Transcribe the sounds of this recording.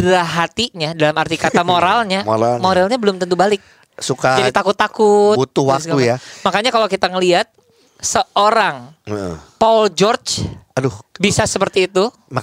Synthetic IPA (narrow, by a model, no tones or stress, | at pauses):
bɾaɦat̪iɲadalamart̪ikat̪amoɾalɲamoɾalmoɾalɲabəlʊmt̪ənt̪̬ubalɪk̚ | sukad͡ʒadt̪akʊt̪ːakʊt̪but̪ʊhwak̪̚ujamakaɲakalokit̪aŋəliɦat̪̚ | səʔoɾaŋəpɔld͡ʒɔrt͡ʃadʊhbisasəpərt̪iːt̪u